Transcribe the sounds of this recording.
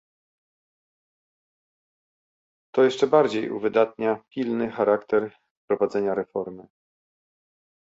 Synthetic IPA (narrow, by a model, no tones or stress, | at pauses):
t̪ɔjɛʂt͡ʂɛbaɾd͡ʑejṵvɘd̪at̪̚ɲapʲilnɘxaɾakt̪ɛɾ | fpɾɔvad̪zɛɲaɾɛfɔɾmɘ